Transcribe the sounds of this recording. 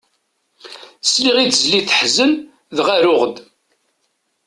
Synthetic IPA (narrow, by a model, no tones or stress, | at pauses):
sliʁiθzliθəħzən | ðʁæɾʊʁəd̪